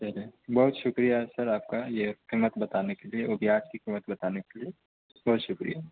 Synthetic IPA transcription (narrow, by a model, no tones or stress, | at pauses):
t͡ʃɐlebɐɦʊt̪ʃʊkɾijasɐɾaːp̚kajeqimːət̪bɐt̪aːnekelieʊbʱjaːt͡ʃkiqimːət̪bɐt̪aːnekelie | bɔɦʊt̪ʃʊkɾija